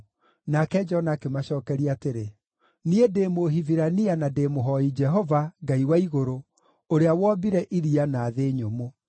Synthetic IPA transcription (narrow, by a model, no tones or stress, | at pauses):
nakɛd͡ʒɔnakemaɕɔːkɛɾiateɾe | niedeːmoɦiviɾanianademoɦɔid͡ʒɛɦɔvaɡaiwaiɣoɾo | oɾeawɔːbiɾɛʔiɾianaːðeːɲomo